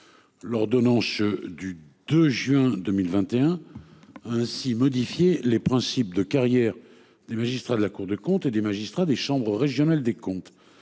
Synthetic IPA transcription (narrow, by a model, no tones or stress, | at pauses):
lɔʁd̪ɔnɑ̃sd̪yd̪øʒɥɛ̃d̪əmilvɛ̃t̪eɛ̃ | aɛ̃simɔd̪ifjelepχɛ̃sip̚d̪əkaʁjɛʁ | d̪emaʒist̪χad̪əlakuʁd̪əkɔ̃t̪ed̪emaʒist̪χad̪eʃɑ̃bʁəʁeʒjɔnald̪ekɔ̃t̪